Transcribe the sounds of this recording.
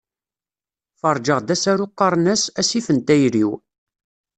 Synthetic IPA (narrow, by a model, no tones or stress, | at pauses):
fɑɾˤd͡ʒəʁd̪æsæɾuqːɑɾˤnæsæsifənt̪æjɾiw